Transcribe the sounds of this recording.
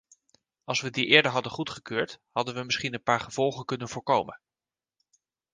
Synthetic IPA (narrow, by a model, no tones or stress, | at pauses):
ɑlˠsʋədiʔɪːɹdəɹɦɑdəχutχəkøːɹthɑdənʋəmɪsχinənpaːɹχəv̥ɔlˠχəkɵnənvʊːɹkowmən